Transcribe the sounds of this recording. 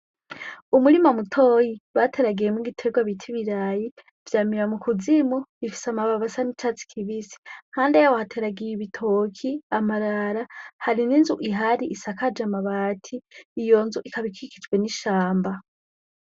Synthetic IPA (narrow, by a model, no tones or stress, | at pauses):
umuɾimamutʰojiwatʰe̞ɾaɡijemuɡitʰe̞ɡwaβitʰiβiɾaji | v̥jaːmiɾamukuzimoifi̥samaβaβasanit͡ʃat͡si̥kʰiβisi̥haːndejawahatʰe̞ɾaɡijiβitʰokʰiamaɾaɾahaɾininzuʔiɦaɾiʔːsakad͡ʒamaβaːtʰiːjo̞nzuʔikaβikʰiki̥d͡ʒɡwe̞niʃaːmba